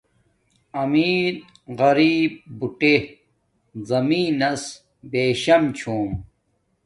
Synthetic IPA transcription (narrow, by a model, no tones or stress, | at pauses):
ɐmiːɾ | ɣɐɾiːb̚buʈe | zɐmiːnɐs | beːɕɐmt͡ɕʰuːm